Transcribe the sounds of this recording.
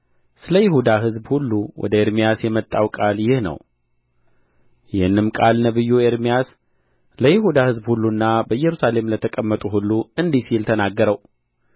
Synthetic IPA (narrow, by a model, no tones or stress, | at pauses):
sɨləjɪhud̪aɦɨzbhulːuwɔ̰d̪əeɾmijasjɛmət̪ʼːawkʼaljɪhnə̰w | jɪhnːɨmkʼalnəβɨjːueɾmijas | ləjɪhud̪ahɨzbhulːunːabəjːɛɾusale̞mlət̪ʰəkʼəmːət̪ʼuɦulːuɨnd̪isilt̪ʰənaɡːəɾəw